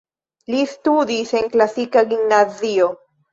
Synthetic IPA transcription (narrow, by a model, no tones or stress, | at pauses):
list̪ud̪ise̞ŋklasikaɡimnazio